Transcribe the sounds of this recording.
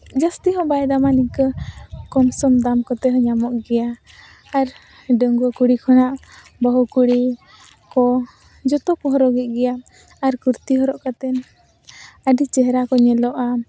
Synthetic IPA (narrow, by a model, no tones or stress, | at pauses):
d͡ʒəst̪iɦɔ̃bajd̪amanikəkɔmsɔmd̪amkɔt̪ɛɦɔɲamɔʔɡɛjaː | ɾ | ɖəŋɡɔkuɽikʰɔnaʔ | bəɦukuɽi | kɔ | d͡ʒɔt̪ɔpɔɦɔɾɔɡɛt̪̚ˀɡɛjaː | ɾkuɾt̪iɦɔɾɔʔkat̪ɛn | əɖit͡ʃɛɦɾakɔɲɛlɔʔa